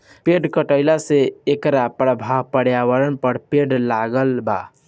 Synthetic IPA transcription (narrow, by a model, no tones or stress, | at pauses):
peɖkəʈəɪlaseːkɾapɾəbʱabpəɽjawəɾənpəɽpeɖlaɡəlba̰